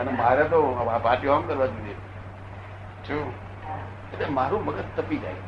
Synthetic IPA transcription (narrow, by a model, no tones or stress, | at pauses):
ənemaːɾjat̪oapaːɾʈiõamkəɾʋãd͡ʒud̪e | t͡ʃʰu | etemaːɾũməɡət̪t̪əpid͡ʒa̰ːj